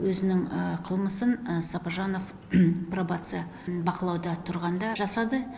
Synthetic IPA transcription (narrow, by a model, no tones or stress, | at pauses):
wɵzɪnɪŋəqʰəlˠməsənsɑpaʒɑno̞f | probat̪sɨj | bɑqəlˠɑwd̪ɑt̪ʰʊɾʁɑnd̪ɑʒɑsɑd̪ə